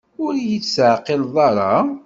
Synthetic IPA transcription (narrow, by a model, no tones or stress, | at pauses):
ʊɾijit͡sːsʕqːilðˤɑɾˤɑ